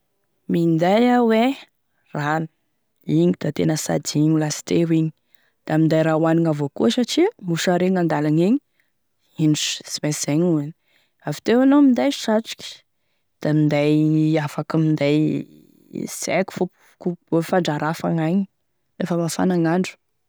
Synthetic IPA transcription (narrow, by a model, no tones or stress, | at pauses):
mind̪ajawe | ran | iɲid̪̥at̪enəsa̰d̪iɲulasi̥t̪eɾiɲi̥ | d̪̥amind̪ajɾawaniŋavokosaʈ͡ʂimuʃaɾeŋand̪alaɲeɲi | inɖ͡ʐu̥si̥mesz̥eɲuani̥ | avi̥t̪ewanomind̪ajʃaʈ͡ʂu̥kʲi̥ | d̪̥amind̪ajafakimind̪aj | sḛku̥fup | kuofaɳɖ͡ʐaɾafa̰ŋaɲi | efəmafa̰naŋaɳɖ͡ʐu̥